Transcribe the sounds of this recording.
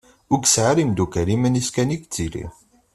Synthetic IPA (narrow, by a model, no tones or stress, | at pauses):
ʊɡsʕaɾimd̪ukəɾimæniskænikt͡sːilḭ